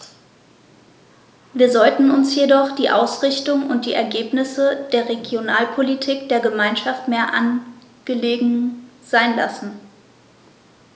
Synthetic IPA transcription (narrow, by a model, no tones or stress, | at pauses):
viːɐzɔltn̩ʊnsjedɔχd̥iːʔaʊsʁ̥ɪçtʊŋʊ̰nt̚d̥iːʔɛɐɡeːpnɪsəd̥eːɐʁeɡjonaːlpʰolitʰiːkd̥eːɐɡəmaɪnʃaftmeːɐʔa̰n | ɡ̥əleːɡŋ̩z̥aɪnla̰sn̩